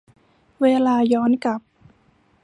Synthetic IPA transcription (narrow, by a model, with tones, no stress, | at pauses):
weː˧laː˧jɔː˦˥nka˨˩p̚